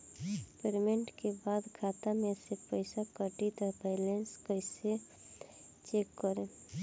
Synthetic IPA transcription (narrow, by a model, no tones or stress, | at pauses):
peɾmeɳʈkebaːd̪kʰaːt̪amẽsepəɪsakəʈit̪ɔpɛːlenskəɪse | t͡ʃeːkːəɾe